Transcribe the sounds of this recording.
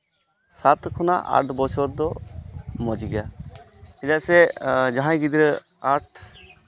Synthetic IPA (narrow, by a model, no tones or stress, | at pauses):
sat̪kʰɔna̰ʔa̰ʈʰbɔt͡ʃʰɔɾd̪ɔ | mɔd͡ʒɡja | id̪asɛd͡ʒaɦãĩɡid̪iɾ | aʈ̚ʰ